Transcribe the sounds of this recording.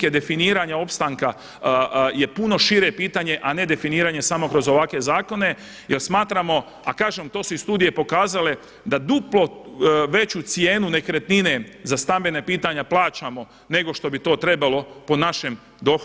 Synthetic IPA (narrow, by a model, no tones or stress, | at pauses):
ked̪e̞finiːɾaɲao̞pst̪aŋka | je̞puno̞ʃiɾe̞piːt̪aɲe̞ʔane̞d̪e̞finiːɾaɲe̞samo̞kɾo̞zo̞ʋakʋe̞zaːko̞ne̞ | jelsmaːt̪ɾamo̞ | akaːʒemt̪o̞ːsuist̪uːd̪ije̞po̞kaːzale̞ | d̪ad̪uplo̞ʋe̞t͡ɕut̪sjeːnune̞kɾet̪nine̞zast̪ambe̞nepiːt̪aɲaplˠaːt͡ʃamo̞ | ne̞ɡo̞ʃt̪o̞bit̪o̞ːt̪ɾe̞balo̞po̞naʃe̞m | d̪o̞x